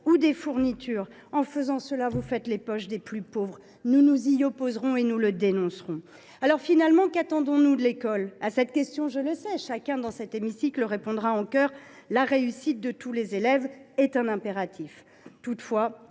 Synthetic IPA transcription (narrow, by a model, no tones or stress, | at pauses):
ud̪efuʁnit̪ʰyːʁ | ɑ̃fəzɑ̃səlavufɛt̪lepɔʃd̪eplypovʁ | nunuziɔpozʁɔ̃enuləd̪enɔ̃sʁɔ̃ | alɔʁfinalmɑ̃kat̪ɑ̃d̪ɔ̃nud̪əlekɔlasɛt̪kʲɛst̪jɔ̃ʒələsɛʃakʲɛ̃d̪ɑ̃sɛt̪emisikləʁepɔ̃d̪ʁaɑ̃kœʁlaʁeysit̪̚d̪ət̪ulezelɛvɛt̪ɛ̃nɛ̃peʁat̪ʰif | t̪ut̪fwa